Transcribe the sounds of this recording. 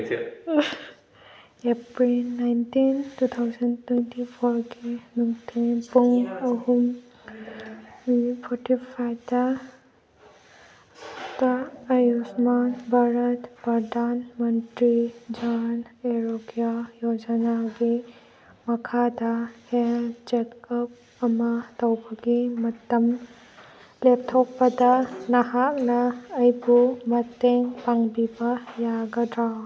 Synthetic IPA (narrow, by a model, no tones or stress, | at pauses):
epɹilnajntintut̪ʰawzəntwɛntipʰɔɹɡenuŋtʰipɔŋɔɦum | pʰɔtipʰata | taːjusmanbʱaɹətbadanməntɹid͡ʒaneɾoɡjajod͡ʒanaɡi | mɐkʰadɐhelt͡ʃekɔp̚ | ɐmɐtɐwbɐɡimɐtːɐm | lep̚tʰɔk̚pɐdɐnɐɦaknaːjbumɐtːeŋpaŋbibɐjaɡɐdɾaw